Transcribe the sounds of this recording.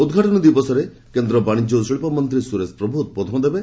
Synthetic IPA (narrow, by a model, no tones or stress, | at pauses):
ud̪ɡʱaʈɔnɔd̪ibɔsɔɾe | kend̪ɾɔbaɽ̃id͡ʒosɔɭipɔmɔnt̪ɾisuɾespɾɔbʱuɦut̪̚pɔt̪ʰɔmɔd̪ebe